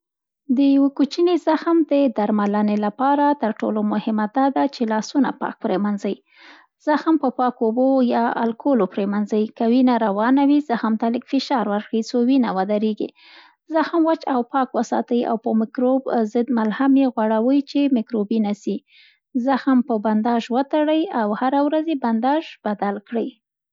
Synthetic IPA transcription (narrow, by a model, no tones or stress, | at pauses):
d̪əjawekut͡ʃinezaxmd̪əd̪aɾmalanelapɑɾat̪əɾʈo̰lomʊhɪmad̪ɑd̪at͡ʃelɑsuna̰pɑ̰k̚pɾemanzai | z̥axmpəpɑkobojɑa̰lkʰolopɾemanzajikawinaɾawɑnawizaxmt̪aləkfɪʃɑɾwaɾkəjt͡sowinawad̪aɾeɡḭ | zaxmwat͡ʃawpɑkwəsɑ̰t̪əja̰wpəmɪkɾobzəd̪malhamjeɣwaɽawəjt͡ʃemɪkɾobinasi | zaxampəband̪ɑʒwət̪aɽəjawhaɾawɾazeband̪ɑʒbad̪alkɽəj